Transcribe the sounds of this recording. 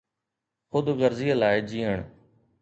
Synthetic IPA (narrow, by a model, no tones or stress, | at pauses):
xʊd̪ɡəɾzijalaːed͡ʒiːəɳ